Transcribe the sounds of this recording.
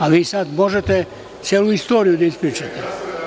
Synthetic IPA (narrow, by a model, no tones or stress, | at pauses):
aʋiːsad̪mo̞ʒet̪e | t̪sjeluist̪oːɾijud̪aispɾiːt͡ʃat̪e